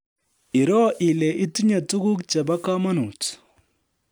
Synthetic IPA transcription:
i˨ɾɔ˦ʔi˨lɛ˨ʔi˦tu˦ɲa˨tu˦ɡu˦kt͡ʃa˨ba˦ka˦ma˦nu˨t

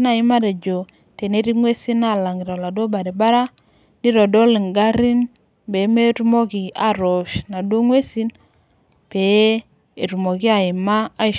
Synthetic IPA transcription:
na˨ɪ˦ma˦ɾe˨d͡ʒo˨ | te˨ne˦ɾi˦ŋwe˦si˦na˦˨la˨ŋi˨ɾɔ˨la˨do˦ba˨ɾi˨ba˦ɾa˦ | ni˦ɾo˨do˦li˨ŋɡa˦ɾi˦n | be˨˦me˦tu˦mo˦ki˨a˨ɾo˨ʃna˨do˦ŋwe˦si˦n | b̥e˨˦ | e˨ɾu˨mo˨ki˦a˨ɪ˨maː˦˨

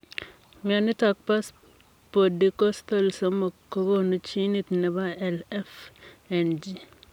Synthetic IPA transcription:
miɔ˨nɪ˦ta˨k̚pa˦s | po˨di˦ko˦st̪o˨lso˦mo˨kːo˦ɡo˦nu˦t͡ʃi˦ni˦t̪nɛ˨ba˦ɛ˨lɛ˦fɛ˨nd͡ʒi˨

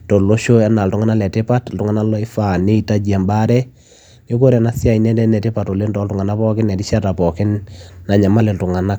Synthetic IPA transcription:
to˨lo˦ʃo˦ɛ˦na˨ltʊ˦ŋa˦na˦lɛ˨te˦pa˦tltu˦ŋa˦na˦lɔ˦ɪ˦fa˨ne˦i˦ta˦d͡ʒa˨mba˦ɾɛ˦ | ne˦ko˦ɾɛ˨na˦sja˦i˨nɛ˦dɛ˦nɛ˨tɪ˦pa˨to˨le˦ndɔ˨˦ltʊ˨ŋa˨na˦pɔ˦kɪ˦nɛ˨ti˦ʃa˦ta˨pɔ˨kɪ˦nːa˨ɲa˨ma˦le˨ltʊ˨ŋa˨na˦k

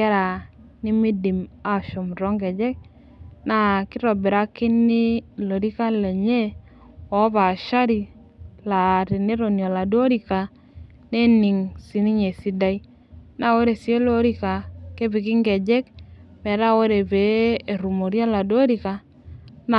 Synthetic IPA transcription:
ɛ˦ɾa˨ | nɪ˦mi˦di˨ma˦ʃo˨m˨ɾɔ˦ŋɡɛ˨d͡ʒɛ˦k̚ | na˦˨kɪ˦ɾɔ˨bɛ˨ɾa˦ki˦ni˦lo˨ɾi˦ka˦lɛ˨ɲe˦ | ɔ˨˦βa˨ʃa˦ɾi˨ | la˨ti˨ne˦ɾo˨njɔ˨la˨do˦ɾi˨ka˨ | ne˦ni˨ŋsi˨ni˦ɲe˨si˦da˦i˦ | na˨wo˦ɾe˨si˨˦e˦lo˦ɾi˦ka˨ke˦bi˨kɪ˦ŋɡɛ˨d͡ʒɛ˦k̚mɛ˨ɾa˦wo˦ɾe˨beː˨˦˨ɾu˨mo˨ɾjɔ˦la˨do˦ɾi˨ka˨ | n

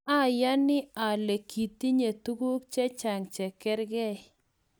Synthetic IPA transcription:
a˦˨ja˦nɪ˦a˨le˨kʰi˨ti˦ɲe˨t̪u˦ɡu˦kt͡ʃɛ˦t͡ʃa˨ŋt͡ʃɛ˨kɛ˦ɾɡɛ˦

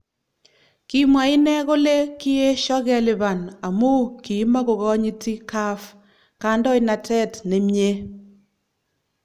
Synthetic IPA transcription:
ki˨mwa˨i˦nɛ˦ko˦le˦ki˦e˦ʃɔ˦ɣɛ˨li˨ba˨na˨mu˦ki˨˦ma˦ko˨ɣɔ˦ɲi˦ti˦ka˦f | ka˦ndɔ˦ina˨tɛ˦tne˨me˦

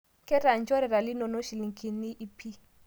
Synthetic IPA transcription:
kɛ˦ɾa˨nt͡ʃɔ˦ɾɛ˨ɾa˨li˦nɔ˨nɔ˦ʃi˨li˨ŋkʰʼi˨ni˦ʔi˦pʰi˦

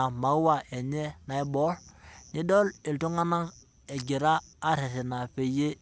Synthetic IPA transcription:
a˨ma˨˦wa˨ɛ˨ɲɛ˦na˨i˦bɔ˦ɾni˦dɔ˦li˨ltu˦ŋa˦na˦ | ɛ˨ɟi˨ɾaː˦ɾɛ˨sɛ˨na˨ɸe˨je˦

